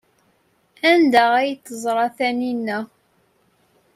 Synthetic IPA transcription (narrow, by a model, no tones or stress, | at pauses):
ænd̪əʁæjt͡s̪ːəzˤɾˤɑθæninːæ